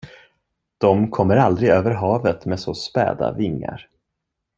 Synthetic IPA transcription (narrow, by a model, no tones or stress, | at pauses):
d̪̥ɔmkʰɔmːəɾald̪ɾɪɡøːvəɾɦɑːvət̪meɛːd̪soːspɛ̰ːd̪a̰vɪŋːa̰ɾ